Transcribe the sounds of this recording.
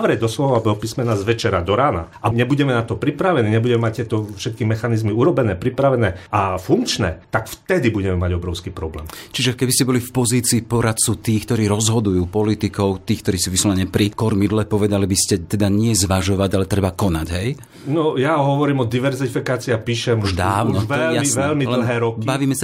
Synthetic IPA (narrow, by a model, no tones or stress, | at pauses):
ʋɾɛɟd̪ɔslɔʋabɔpismɛnazʋɛt͡ʃɛɾad̪ɔɾaːna̰ʔaɲɛbuɟɛmɛnat̪ɔpɾipɾaʋɛniːɲɛbuɟɛmɛmac̚t̪ɪɛt̪ɔfʃɛt̪̚kimɛxanizmiuɾɔbɛnɛːpɾipɾaʋɛnɛːafuŋkt͡ʃnɛ̰ːt̪akft̪ɛd̪ibuɟɛmɛmaɟɔbɾɔʊskiːpɾɔblɛ̰ːmt͡ʃiʒɛkɛbiscɛbɔlifpɔziːt͡siːpɔɾat̪̚t͡sut̪iːxkt̪ɔɾiːɾɔzɦɔd̪ujuːpɔlit̪ikɔʊt̪iːxkt̪ɔɾiːsuːʋislɔʋɛɲɛpɾikɔɾmid̪lɛpɔʋɛd̪alibiscɛt̪ɛd̪aɲɪɛzʋaʒɔʋaɟalɛt̪ɾɛbakɔnaɟɦɛj | nɔjaɦɔʋɔɾiːmɔd̪iʋɛɾzifikaːt͡siːapiːʃɛmuʒd̪aːʋnɔʋɛjaiʋɛlmidll̩ɦɛːɾɔkbaʋiːmɛsa